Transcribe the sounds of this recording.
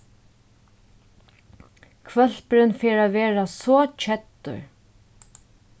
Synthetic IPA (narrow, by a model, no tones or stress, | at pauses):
kʰvœl̥pɾɪnfeːɹaːʋeːɹasɔːt͡ʃʰɛt̪ːʊ̰ɹ